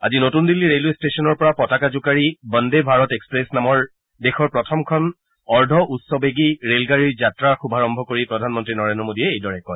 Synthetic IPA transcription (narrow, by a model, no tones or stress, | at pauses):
a̰zinotundilːiɹelestesɔnɔɹpɔɹapɔtakazʊkaɹibɔndebʱaɹɔtekspɹesnamɔɹ | dexɔɹpɹɔtʰɔmkʰɔn | ɔɹdʱɔʔutsɔbeɡiɹelɡaɹiɹzatɹaxubʱaɹɔmbʱɔkoɹipɹɔdʱanmɔntɹinɔɹendɹɔmodiɛejdɔɹɛkɔj